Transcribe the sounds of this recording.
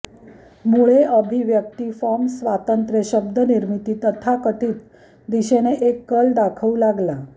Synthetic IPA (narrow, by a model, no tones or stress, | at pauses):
muɭeʔəbʱiʋjəkt̪iːfɔmsʋat̪ənt̪ɾeɕəb̚d̪əniɾmit̪iːt̪ət̪ʰakət̪iːt̪ | d̪iɕeneʔekːəlɖ̪akʰəulaɡla